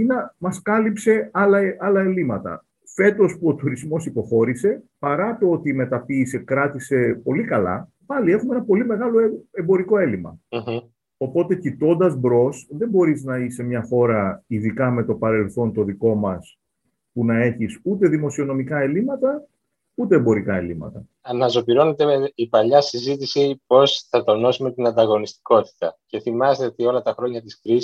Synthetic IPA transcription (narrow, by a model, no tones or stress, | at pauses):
inɐmɐskɐlipse̞ɐlɐɐlɐe̞limɐt̪ɐ̰ | fe̞t̪o̞spuo̞t̪uɾizmo̞sipo̞xo̞ɾise̞pɐɾɐt̪oot̪ime̞t̪ɐpiːse̞kɾɐt̪ise̞po̞likɐlɐ̰ | pɐlie̞xume̞nɐpo̞lime̞ɣɐlo̞ee̞mbo̞ɾiko̞e̞limɐ̰ | o̞po̞t̪e̞cit̪o̞nd̪ɐzbɾo̞sðe̞mbo̞ɾiznɐisemɲɐxo̞ɾɐiðikɐme̞t̪o̞pɐɾe̞lθo̞nt̪o̞ðiko̞mɐs | punɐe̞çisut̪e̞ðimo̞sio̞no̞mikɐe̞limɐt̪ɐ | ut̪e̞ːmbo̞ɾikɐe̞̰limɐ̰t̪ɐ | ɐnɐzo̞piɾo̞ne̞t̪eipɐʎɐsizit̪isipo̞sθɐt̪o̞no̞sumet̪inɐnd̪ɐɣo̞nist̪i̥ko̞t̪i̥t̪ɐce̞θimɐst̪eot̪io̞lɐt̪ɐxɾo̞ɲɐt̪iskɾi